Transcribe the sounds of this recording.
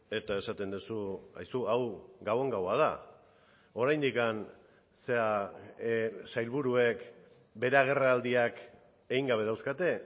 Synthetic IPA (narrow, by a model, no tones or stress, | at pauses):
e̞t̪aesat̪e̞nd̪usua̰jsuawɡawe̞ŋɡawað̞a | o̞ɾajnd̪ikan | se̞a | sajlβuɾue̞k | be̞ɾeaɣ̞e̞raːld̪iak | e̞ɣiŋɡaβ̞e̞ðawskat̪e̞